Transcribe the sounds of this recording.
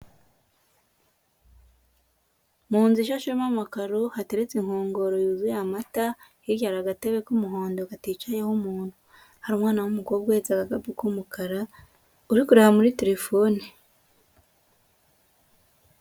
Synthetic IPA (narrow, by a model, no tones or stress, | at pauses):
muːnziʃaʃomamakaɾohate̞ɾet͡seŋ̥oːŋɡo̞ɾojuzujamata | iɾɟaɾaɡateβekumuɦo̞ːndokatiːt͡ʃajehumuːn̥hu | haɾumŋaːnawumukoɡweːt͡saɡakabikumukaɾa | uɾikuɾehamuɾite̞ɾe̞foːni